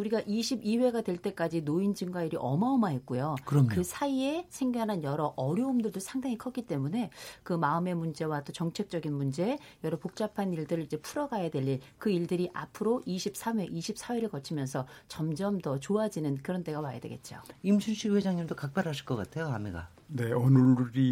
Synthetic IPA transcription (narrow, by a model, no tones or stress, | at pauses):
uɾiɡaʔiɕʰibiwe̞ɡadwe̞ɭt͈e̞k͈ad͡ʑinoind͡ʑiŋɡwaiɾiʔʌmaʌmaɦe̞t̚k͈ujokɯkɯsʰaie̞sʰe̞ŋɡananjʌɾʌʔʌɾjoumdɯɭdosʰaŋdaŋikʰʌk͈it͈e̞mune̞kɯmaɯme̞mund͡ʑe̞wat͈ot͡ɕʌŋt͡ɕʰe̞k̚t͡ɕ͈ʌɡinmund͡ʑe̞jʌɾʌpok̚t͡ɕ͈apʰaniɭdɯɾɯɭid͡ʑe̞pʰuɾʌɡajadwe̞ʎːiɭkɯiɭdɯɾiʔapʰɯɾoʔiɕʰip̚s͈ʰame̞ʔiɕʰip̚s͈ʰaweɾɯɭkʌt͡ɕʰimjʌnsʰʌt͡ɕʌmd͡ʑʌmtʌt͡ɕoad͡ʑinɯnkɯɾʌnt͈e̞ɡamaja̰dwe̞ɡe̞̰t̚t͡ɕ͈o̰imsʰunɕʰiwed͡ʑaŋɲimdokak̚p͈aɾɦaɕʰi̥ɭk͈ʌk͈a̰tʰe̞joameɡa̰ | ne̞ʌnɯɾi